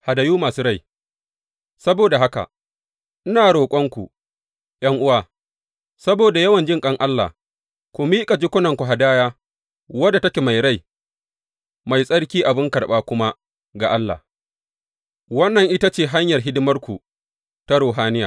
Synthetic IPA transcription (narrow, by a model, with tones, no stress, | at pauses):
ha˨da˨juː˦maː˨su˦ɽa˦j | sɐ˦boː˨da˨ɦa˦ka̰˨ | ʔɪ˦naː˨ɽoː˨kʷʼɔ˦ŋkʷu˨ | j̰ɐ˦ŋʔʊ˦waː˦ | sɐ˦boː˨da˨jɐ˦wɐ˨nd͡ʒɪ˦ŋkʼɐ˦ŋʔa˦lːa̰ː˨ | kʷʊ˨miː˦kʼa˨d͡ʒɪ˦kʷʊ˦nɐ˨ŋkʷu˨ɦa˨daː˦jaː˦ | wɐ˦da˨tɐ˦kʲe˨ma˨jɽa˦˨j | ma˨jsʼɐ˦ɽkʲiː˦ʔa˨bɪ˦ŋkɐ˨ɽɓaː˦kʷʊ˦ma˦ | ɡa˨ʔa˦lːa̰ː˨ | wɐ˦nːɐ˨ŋʔɪ˦ta˦t͡ʃeː˦˨ɦa˦ɲjɐ˨rɦɪ˦dɪ˦mɐ˦rkʷu˨ | ta˦ɽoː˨ɦaː˦nɪ˦ja̰ː˨